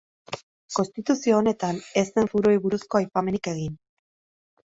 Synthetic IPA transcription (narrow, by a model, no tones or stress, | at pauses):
ko̞nst̪it̪usio̞ːne̞t̪ane̞st̪e̞ɱfuɾuojβuɾusko̞ajpame̞nike̞ɣin